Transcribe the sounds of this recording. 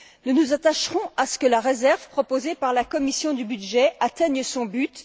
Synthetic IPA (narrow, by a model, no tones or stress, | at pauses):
nunuzat̪aʃʁɔ̃asə̥kəlaʁezɛʁvpχɔpozepaʁlakɔmisjɔ̃d̪ybyd̪ʒɛat̪ɛɲsɔ̃byt̪